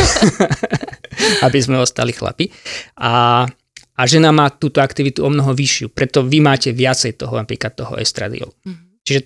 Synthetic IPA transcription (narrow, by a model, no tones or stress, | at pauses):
abizmɛɔst̪a̰lixla̰pia | aʒɛnamaːt̪uːt̪ɔakt̪iʋit̪uɔmnɔɦɔʋiʃɪupɾɛt̪ɔʋimaːcɛʋɪat͡sɛjt̪ɔɦɔnapɾiːklat̪ːɔɦɔ̰ʔɛ̰st̪ɾa̰d̪ḭlu | t͡ʃiʒɛ